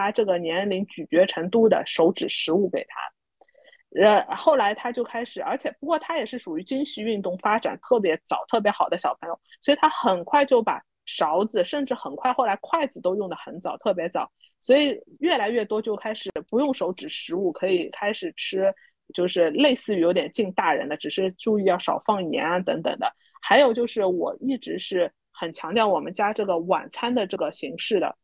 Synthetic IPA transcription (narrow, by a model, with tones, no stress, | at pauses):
a˥ʈ͡ʂɤ˥˩ɡə˩njɛ˧˥nli˧˥ŋt͡ɕy˨˩t͡ɕɥɛ˧˥ʈ͡ʂʰə˧˥ŋt̪u˥˩d̪ə̰˩ʂo˧˥ʊʈ͡ʂɻ̩˨˩ʂɻ̩˧˥u˥˩ke˨˩ɪt̪ʰa̰˥ | ə˧xo˥˩ʊla˧˥ɪt̪ʰa˥t͡ɕjo˥˧ʊkʰa˥ɪʂɻ̩˨˩ə˞˧˥t͡ɕʰjɛ˨˩pu˧˥kwɔ˥˩t̪ʰa˥jɛ˨˩ʂɻ̩˥˩ʂu˨˩y˧˥t͡ɕi˥nɕy˥˧y˥˧nt̪ʊ˥˩ŋfa˥ʈ͡ʂa̰˨˩nt̪ʰɤ˥˩p̬jɛ˧˥t͡sɑ˨˩ʊt̪ʰɤ˥˩p̬jɛ˧˥xɑ˨˩ʊd̪ə˦ɕjɑ˨˩ʊpʰɤ˧˥ŋjo˨˧˩ʊswɔ˧˥i˨˩t̪ʰa˥xə˨˩nkʰwa˥˧ɪt͡ɕjo˥˩ʊpa̰˨˩ | ʂɑ˧˥ʊd͡zɹ̩˧ʂə˥˧nʈ͡ʂɻ̩˥˩xə˨˩nkʰwa˥˧ɪxo˥˩la˧˥ɪkʰwa˥˩ɪd͡zɹ̩˩t̪o˥ʊjʊ˥˩ŋd̪ə˩xə˧˥nt͡sɑ˨˩ʊt̪ʰɤ˥˩p̬jɛ˧˥t͡sɑ˨˩˦ʊ | swɔ˧˥i˨˩ɥɛ˥˩la˧˥ɪɥɛ˥˩t̪wɔ˥t͡ɕjo˥˧ʊkʰa˥ɪʂɻ̩˨˩pu˧˥jʊ˥˩ŋʂo˧˥ʊʈ͡ʂɻ̩˨˩ʂɻ̩˧˥u˥˩kʰɤ˧˥i˨˩kʰa˥ɪʂɻ̩˨˩ʈ͡ʂʰɻ̩˥ | t͡ɕjo˥˧ʊʂɻ̩˥˧le˥˧ɪsɹ̩˥˩y˧˥jo˧˥t̪jɛ˨˩nt͡ɕi˥˧ŋt̪a˥˩ɻə̰˧˥nd̪ə˧ʈ͡ʂɻ̩˨˩ʂɻ̩˥˧ʈ͡ʂu˥˧y˥˧jɑ˥˩ʊʂɑ̰˨˩ʊfɑ˥˩ŋjɛ̰˧˥n˧t̪ɤ˧˥ŋt̪ɤ̰˨˩ŋd̪ə̰˦ | xa˧˥ɪjo˨˩ʊt͡ɕjo˥˧ʊʂɻ̩˥˩wɔ̰˨˩i˥˩ʈ͡ʂɻ̩˧˥ʂɻ̩˥˩ | xə˨˩nt͡ɕʰjɑ˧˥ŋt̪jɑ˥˩ʊwɔ˨˩mə̰˦nt͡ɕja˥ʈ͡ʂɤ˥˩ɡə˩wa̰˨˩nt͡sʰa˥nd̪ə˨ʈ͡ʂɤ˥˩ɡə˩ɕi˧˥ŋʂɻ̩˥˩d̪ə̰˩